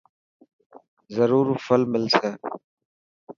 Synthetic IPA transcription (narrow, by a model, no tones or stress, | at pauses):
zɐɾuːɾufɐlmɪlse